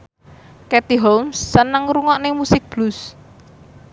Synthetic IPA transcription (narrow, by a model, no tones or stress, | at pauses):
kɛt̪iɦɔlmsːənəŋɾuŋɔʔnemusɪk̚b̥lus